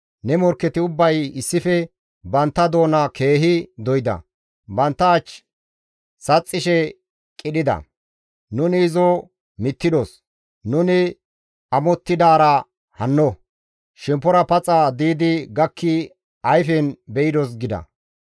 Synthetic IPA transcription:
nɛmɔɾkːɛt̪ɪʊbːɐjɪsːɪfɛ | bɐnt̪ːɐd̪o̞ːnɐkʰe̞ːɦɪd̪ɔjɪd̪ɐ̰ | bɐnt̪ːɐːt͡ʃ | sɐt͡sʼːɪʃɛ | kʼɪɗɪd̪ɐ̰ | nʊnɪːzɔ | mɪt̪ːɪd̪ɔs | nʊnɪ | ɐmɔt̪ːɪd̪aːɾɐ | hɐnːɔ | ʃɛmpːɔɾɐpɐt͡sʼad̪iːd̪ɪɡɐkːɪ | ɐjfɛnbɛjɪd̪ɔs̬ɡɪd̪ɐ̰

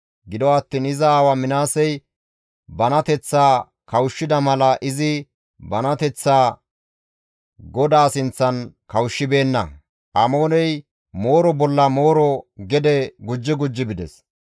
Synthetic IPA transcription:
ɡɪd̪ɔɐt̪ːiːnɪzɐːwɐmɪnaːsɛj | bɐnɐt̪ɛt͡sːaː | kɐwʃːɪd̪ɐmɐlɐʔɪzɪ | bɐnɐt̪ɛt͡sːaː | ɡɔd̪aːsɪnt͡sːɐnkɐwʃːɪbe̞ːnːɐ̰ | ʔɐmo̞ːnɛj | mo̞ːɾɔbɔlːɐmo̞ːɾɔɡɛd̪ɛɡʊd͡ʒːɪɡʊd͡ʒːɪbɪd̪ɛ̰s

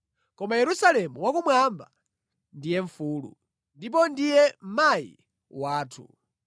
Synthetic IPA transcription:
kɔmajɛɾusalɛmuwakumwamba̰ | ndijɛɱfuːlṵ | ndip̬ɔndijɛm̩maḭ | waːtʰṵ

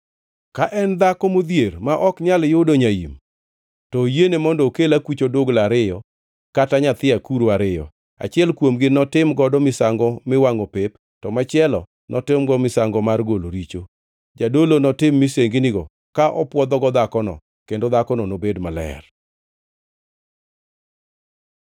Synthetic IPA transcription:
kaʔɛnd̪akɔmod̪jermaʔɔkɲaljodoɲajḭm | tɔjenemɔndɔːkelakwit͡ʃodoɡlaɾɪjɔ | kataɲat̪ɪakuɾoaɾɪjɔ̰ | a̰t͡ʃɪɛlkwomɡɪnɔtɪmɡɔdɔmɪsaŋɡɔmɪwaŋopep | tɔmat͡ʃɪɛlɔ | nʔɔtɪmɡɔmɪsaŋɡɔmarɡoloɾit͡ʃo | d͡ʒadolonɔtɪmːɪseŋɡɪnɪɡɔ | kaʔɔpwɔd̪ɔɡɔd̪akɔnɔ̰ | kendod̪akɔnɔnobedmalɛ̰r

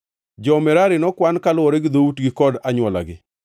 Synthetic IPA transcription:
d͡ʒɔmɛɾaɾɪnɔkwankalwɔɾeɡd̪outɡɪkɔdaɲwɔla̰ɡɪ

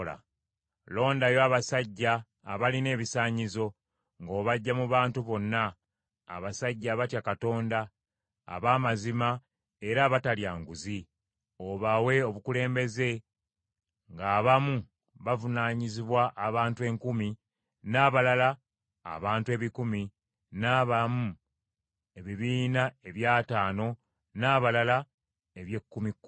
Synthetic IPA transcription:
la̰ | lo̞ːndajo̞aβasaɟːaː | βaline̞ːβisaːɲizo̞ | ŋɡo̞ːβaɟːamuβaːntuβo̞nːa̰ː | βasaɟːaβatjakato̞ːnda̰ː | βaːmazima | e̞ɾaːβataljaːŋɡuzi | oβawe̞o̞βukule̞ːmbe̞ze̞ | ŋɡaːβamu | βavunaːɲiziβwaʔːβaːntue̞ŋkumi | naːβalala̰ː | βaːntue̞ːβikumi | naːβamu | e̞βiβiːnae̞βjaːtaːno̞ | naːβalala | e̞βje̞kːumikː

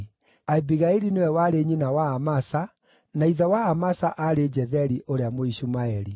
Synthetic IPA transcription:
aibiɣaiɾinewɛwaɾeɲinawaːmasa | naiðawaːmasaʔaɾed͡ʑɛðɛɾiʔoɾeamoiɕumaɛɾi

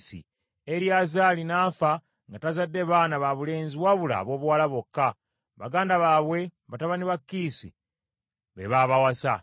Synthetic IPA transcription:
sḭ | eɾjazaːlinaːfa | ŋɡatazadːe̞βaːnaβaβule̞ːnziwaβula̰βwo̞ːβuwaːlaβo̞kːa | βa̰ɡaːndaβaːβwe̞βataβaniβakːiːsḭ | βḛβaβawasa

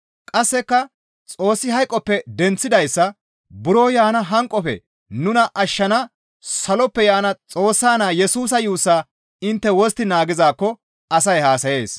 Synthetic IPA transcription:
kʼɐsːɛkːɐ | t͡sʼo̞ːsːɪɦɐjkʼːɔpːɛd̪ɛnt͡sːɪd̪ɐjsːɐ | bʊɾo̞ːjaːnɐɦɐŋkʼɔfɛ̰ | nʊnɐʔɐʃːɐnɐ | sɐlɔpːɛjaːnɐt͡sʼo̞ːsːaːnaːjɛsuːs̬ɐjuːsːaː | ɪnt̪ːɛwɔst̪ɪnaːɡɪzaːkːɔ | ɐsɐjhaːsɐje̞ːs

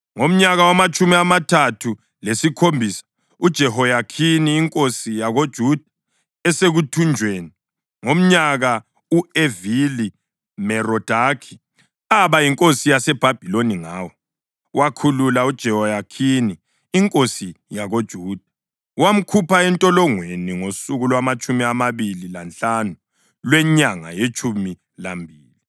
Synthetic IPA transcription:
ŋom̩ɲaɣawamat͡ʃʼumiamatʰatʰu | lesikʰombʱiːsḁ | ud̥ʒ̥ʱɛɦɔjakʰiniːŋkʼosijaɣod̥ʒ̥ʱud̥ʱa | ɛseɣutʰund͡ʒʱweːni | ŋom̩ɲaɣa | uevili | mɛrɔd̥ʱakʰi̥ | aβajiŋkʼosijasɛb̥ʱab̥ʱiloniŋaːwɔ | wakʰululaud̥ʒ̥ʱɛwɔjakʰiniː | ŋkʼosijaɣod̥ʒ̥ʱuːd̥ʱa | wam̩kʰupʰaɛntʼɔlɔŋweniŋosuɣulwamat͡ʃʼumiamaβililant͡ɬanu | lwɛɲaŋa̰jet͡ʃʼumi | lambʱiːli

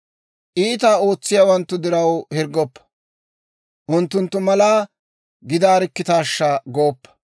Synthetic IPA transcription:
ʔiːt̪̬aːo̞ːt͡sːɪjawɐnt̪ːʊd̪ɪɾɐwhɪɾɡɔpːɐ̥ | ʔʊnt̪ːʊnt̪ːʊmɐlaː | ɡɪd̪aːɾɪkːɪt̪aːʃːɐɡoːpːɐ̥

